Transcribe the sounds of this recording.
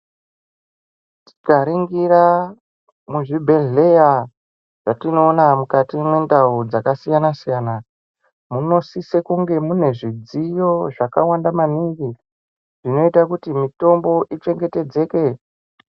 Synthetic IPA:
ti̥kaɾiŋɡiɾa | muʐibʱe̞ɮe̞ja | ʐ̥atino̞ːnamukatimwe̞ndaud͡zakasijanasijaːna | muno̞sisekuŋɡe̞mune̞ʐid͡zijo̞ʐakawandamaniŋɡi | ʐ̥ino̞itakutimito̞mbo̞ʔit͡ʃe̞ŋɡe̞te̞d͡ze̞ːke̞

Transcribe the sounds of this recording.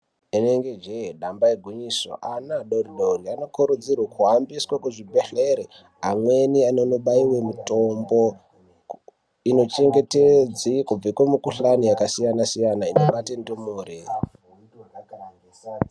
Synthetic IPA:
eneŋɡed͡ʒeɗambaeɡʱuɲiso̰ʔanaɗoriɗoriano̞kuɾud͡zirwakʰuɦambiswakuʐibʱeɬeɾe | ɦamwe̞nianonoɓaiwemuto̞mbo | ino̞t͡ʃe̞ŋɡe̞ted͡zikub͡vakwemukuɬanijakasijanasijanainoɓatendomoreː

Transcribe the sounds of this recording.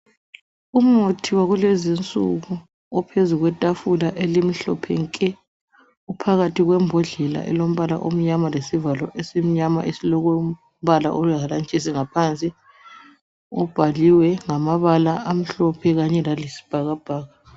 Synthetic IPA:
um̩otʰiwaɣulezint͡sʼṵɣu | ɔpʰezuɣwɛtʼafulaʔelim̩ɬɔ̰pʰɛŋkʼɛ | upʰaɣatʰiɣwɛmbʱɔɮɛla̰ʔɛ̰lom̩βala̰ʔo̰m̩ɲamalesivalɔʔesem̩ɲama̰ʔesilɔɣu | βala̰ʔɔlwɛɣalant͡ʃʼes̬iŋapʰant͡sʼi | ɔb̥ʱaliwɛŋamaβalaam̩ɬɔpʰɛɣaɲɛlalisi̥b̥ʱaɣab̥ʱaːɣa

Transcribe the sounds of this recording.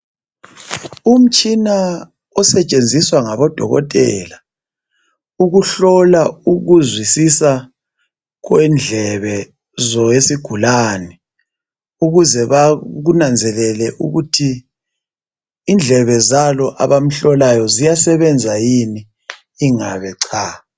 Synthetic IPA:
um̩t͡ʃʼina | ɔsɛt͡ʃʼend͡zʱiswaŋaβɔd̥ʱɔ̰ɣɔ̰tʼɛ̰ːla | uɣuɬɔlauɣuzwisisa | ɣwɛnd͡ɮʱɛβɛ | zɔesiɡ̥ʱulaːnɛ | uɣuzɛβaɣunand͡zʱɛlɛlɛʔṵɣutʰi | nd͡ɮʱɛβɛzalɔʔaβam̩ɬɔlajɔzijasɛβɛnd͡zʱajiniː | ŋaβɛǀʰaː

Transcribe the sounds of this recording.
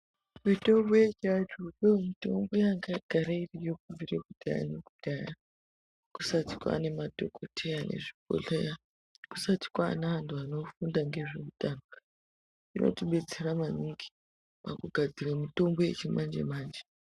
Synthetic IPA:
wito̞mbojet͡ʃatujomito̞̰mbo̞jaŋɡaɡ̥ʱaɾairijokuɱvirekudaja̰nekuɗdaːja | ku̥sati̥kwa̰ne̞madʱo̰kʰotʰeanʔe̞̰ʐipo̰ɮeja | ku̥sati̥kwa̰ːnaantʰuano̞fundaŋɡe̞ʐiutʼaːna | inʔo̞̰tiɓe̞d͡zeramaniŋɡi̥ | ma̰kuɡʱad͡ziramito̞mbo̞je̞̰t͡ʃimand͡ʒḛmaːnd͡ʒe

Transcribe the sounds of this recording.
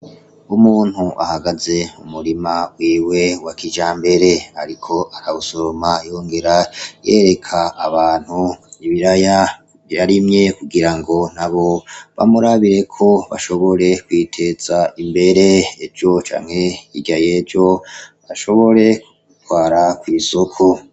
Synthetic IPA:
umuːn̥huʔa̰haɡaze̞umuɾimawiːwe̞wakid͡ʒaːmbe̞ɾe̞aɾikʰo̞ʔaɾausoɾomajoːŋɡe̞ɾajeːɾe̞kʰaːβaːn̥huniβiɾaja | jaɾimɲe̞kuɡiɾaŋɡo̞n̥aβo̞βa̰muɾaβiɾe̞kʰo̞βa̰ʃo̞βo̞ɾe̞kwiːtʰe̞z̥aimbe̞ɾeevjo̞t͡ʃa̰ːŋhe̞iɟjajeːvjo̞βaʃo̞βo̞ɾe̞ | ɡutwaːɾakwiːsokʰo

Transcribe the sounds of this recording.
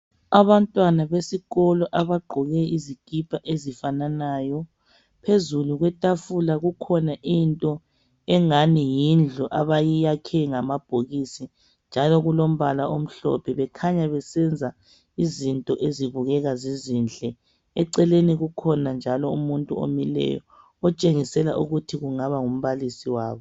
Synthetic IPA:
aβantʼwanaβesiɣɔlɔʔaβaɡ͡ǃʱɔɣɛiziɡ̥ʱipʰʼaʔezifananaːjɔ | pʰezuluɣwɛtʼafulaɣukʰɔnaʔintʼɔ | ɛŋanijind͡ɮʱuʔaβajijakʰɛŋamab̥ʱoɣisi | nd͡ʒʱalɔɣulom̩βalaʔom̩ɬɔ̰pʰɛβɛkʰaɲaβɛsɛnd͡zʱa | izintʼɔʔeziβuɣɛɣazizind͡ɮʱɛ | ɛǀɛleniɣukʰɔnand͡ʒʱalɔumuntʼuo̰milɛ̰jɔ̰ | ɔt͡ʃʼeŋisɛla̰ʔuɣutʰiɣuŋaβaŋum̩βalisiwa̰ːβɔ

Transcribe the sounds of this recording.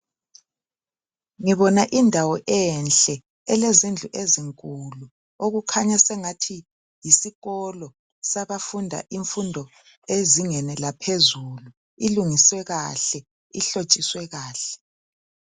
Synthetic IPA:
ŋiβɔnaʔindʱawɔʔɛnɬʼɛ | ɛlezind͡ɮʱuʔeziŋkʼulu | oɣukʰaɲasɛŋatʰi | jisiɣɔlɔ | saβafundʱa̰ʔiɱfundʱɔ | eziŋɛnɛlapʰezulu | iluŋiswɛɣaɬɛ | iɬot͡ʃʼiswɛɣaːɬɛ̥

